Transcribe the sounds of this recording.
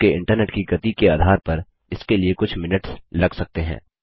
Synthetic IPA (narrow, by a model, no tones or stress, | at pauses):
eɪ̰̃ɳʈəɾneːʈkiɡɐt̪ikeaːd̪ʱaːɾpɐɾ | ɪskeliekʊt͡ʃʰmɪnəʈslɐɡsɐk̚t̪eɦɛ̰̃ː